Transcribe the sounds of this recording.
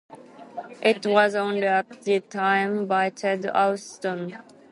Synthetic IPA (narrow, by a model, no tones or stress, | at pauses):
ʔɪtwʌzɔ̃ndə˞ðɨtʰãɪ̃mbaɪtʰɛdɔ̰stə̃n